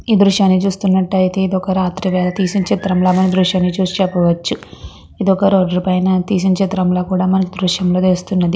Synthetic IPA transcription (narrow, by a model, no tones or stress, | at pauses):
iːd̪ɾuʂjaːnːit͡ʃuːst̪unːɐʈːɐjt̪e̞ːid̪ɔkɐɾaːt̪ɾiʋɛːlɐt̪iːsiɲt͡ʃet̪ɐɾɐmlaːmɐnid̪ɾuʂjaːnːit͡ʃuːst͡ʃɛpːɐʋɐt͡ʃːu | id̪ɔkɐɾɔːɖɐɾipɐjnɐt̪iːs̬iɲt͡ʃet̪ɾɐmloːkuːɽaːmɐnɐkid̪ɾuʃjɐmloːd̪eːst̪unːɐd̪i